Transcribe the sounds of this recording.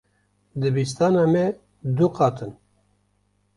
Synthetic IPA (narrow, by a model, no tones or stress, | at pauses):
d̪ɨbist̪ɑːnɑːmɛ | d̪uqɑːt̪ʰɨn